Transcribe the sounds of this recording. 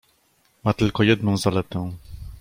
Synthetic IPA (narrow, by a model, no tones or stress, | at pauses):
mat̪ɘlkɔjɛd̪̚nɔ̃w̃zalɛt̪ɛ̃